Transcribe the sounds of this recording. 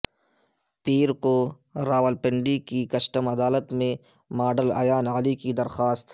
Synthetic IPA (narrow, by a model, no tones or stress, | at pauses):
piːɾko | ɾaːwəlpɪɳɖikikɐʃʈəmɐd̪aːlət̪mẽ | maːɖəlɐ̰jaːnaːlikid̪ɐɾxaːst̪